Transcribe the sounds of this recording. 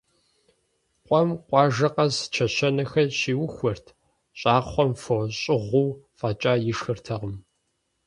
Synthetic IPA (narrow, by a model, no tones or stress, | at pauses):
qʷʼɔmqʷɑːʒɐqɐzt͡ʃʰɐɕɐnɐxɐʃiːwʊxʷɔrtʰ | ɕʼaːχʷɔmfoɕʼɪʁʷuːfaːt͡ʃʼaːjɪʂxɨrtʰɐʁəm